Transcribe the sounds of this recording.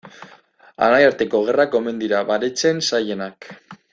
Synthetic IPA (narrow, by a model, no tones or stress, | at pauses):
a̰najaɾt̪e̞ko̞ɣ̞e̞rako̞me̞nd̪iɾaβaɾet͡se̞nsaje̞nak